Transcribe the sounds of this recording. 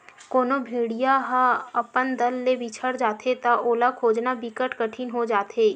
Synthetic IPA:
koːnobʱiːɽijaɦaɐpənd̪əlːebit͡ʃʰəɽd͡ʒaːt̪et̪aʔoːlakʰoːd͡ʒnabikəʈkəʈʰinɦod͡ʒaːt̪ɦeː

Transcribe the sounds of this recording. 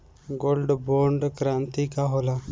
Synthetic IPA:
ɡoːlɖboːɾɳɖkɾaːnt̪ikaɦoːlaː

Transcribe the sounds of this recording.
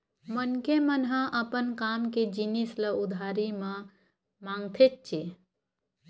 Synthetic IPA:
mənkemənɦãʔəpənkamked͡ʒinisləud̪ʱaɾimã | mãŋɡt̪ʰet̪̚t͡ʃʰe

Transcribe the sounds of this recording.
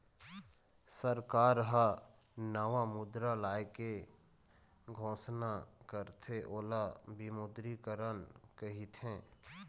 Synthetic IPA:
səɾkaːɾɦa | nəʋamʊd̪ɾalaːeke | ɡʱõːsnakəɾt̪ʰeʔoːlabimʊd̪ɾikəɾənkəɦit̪ʰẽː

